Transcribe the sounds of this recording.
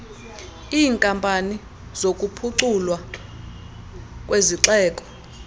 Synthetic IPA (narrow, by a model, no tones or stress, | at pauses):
iːŋkʼampʼani | zokʼupʰuǁulwa | kʼweziǁɛːkʼɔ̥